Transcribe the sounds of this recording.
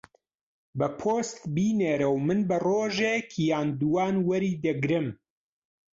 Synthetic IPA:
bɐpʰoːst̪biːneːɾɐwmɨnbɐroːʒekʰjaːnd̪uwaːnwɐɾiːd̪ɐɡɾɨm

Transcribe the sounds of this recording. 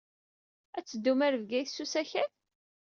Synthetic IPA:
æt͡sːəd̪ːumæɾvɡæjθsːusæçæθ

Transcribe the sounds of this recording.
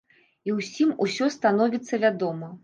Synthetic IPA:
iwsʲimusʲɔst̪anɔvʲit̪sːɐvʲad̪ɔmɐ

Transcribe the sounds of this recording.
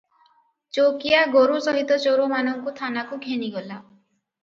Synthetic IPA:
t͡ʃokiaɡoɾusɔɦit̪ɔt͡ʃoɾomanɔŋkut̪ʰanakuɡʱeniɡɔla

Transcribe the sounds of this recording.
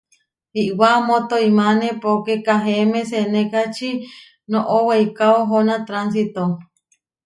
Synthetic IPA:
iʔwamot̪oimanepokekaɦemẽsenẽkat͡ʃi | noʔoweikaoɦonat̪ɾans̬it̪o

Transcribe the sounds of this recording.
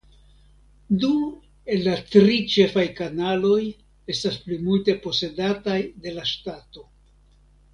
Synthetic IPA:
du | e̞lːatɾit͡ʃe̞fajkanalo̞j | e̞stasplimulte̞po̞se̞datajde̞laʃtato̞

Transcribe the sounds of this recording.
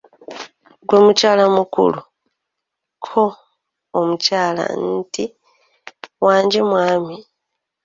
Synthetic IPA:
ɡwe̞mucaːlamukṵlu | kʰoː | mucaːla̰nti | waːɲɟemwaːmi

